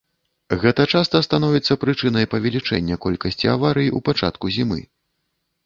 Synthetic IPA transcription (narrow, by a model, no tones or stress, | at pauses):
ɣɛt̪ɐt͡ʂast̪ɐst̪an̪ɔvʲit̪sːɐpɾɨt͡ʂɨnɐjpɐvʲɛlʲit͡ʂɛ̰nʲːɐkɔlʲkɐsʲt͡sʲiavaɾɨjiṵpat͡ʂa̰t̪kuzʲimɨ̰